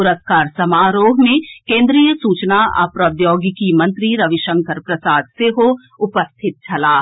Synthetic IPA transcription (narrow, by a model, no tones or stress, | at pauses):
pʊɾəskaːɾsɐmaːɾoːɦmẽkẽːnd̪ɾiːjəsuːt͡ʃnaɐ̰pɾɐd̪joːɡkimɐ̃nt̪ɾiɾɐʋɪʃə̃ŋkʰəɾpɾɐsaːd̪̚seɦo | ʊpəst̪ʰɪt̪̚t͡ʃʰɐlaː